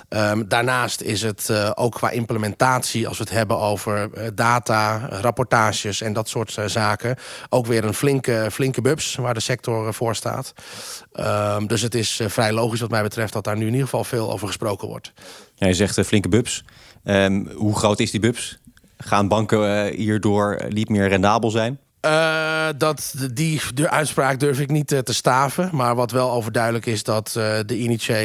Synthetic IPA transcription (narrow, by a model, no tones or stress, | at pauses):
ʔədaːɹnaːstɪ̰sɦətʔo̰wkʰːʋa̰ːʔɪmpləmɛntaːtsiɑ̰lˠsʋətɦɛbənowvəɹdaːtarapɔɹtaːʃəsɛndɔtsʊːɹtzaːkəʔowkʋɪːɾənflɪŋkəflɪŋkəbøpsʋaːɹdəsɛk̚tɔɹv̥ʊːɹsta̰ːt | ədøs̬ətɪsfrɛjlowχis̬ʋɑtmɛjbətrɛft̚dɔt̚daːɹnyɪnidəχəvɑlˠveːlˠo̰wvəɹχəsprowkənʋɔ̰ɹtjajəzɛχtflɪŋkəbɵps | əɦuχrowtɪzdibɵps | χaːnbɑŋkəɦiːɹdʊːɹnitmɪːɹrɛndaːbəlˠzɛjn | ədɑtdidəʔœɥtspraːk̚døɹfɪknittəstaːfəmaːɹʋɑtʋɛlˠowvəɹdœɥdələkɪsdɔtdəinit͡ʃe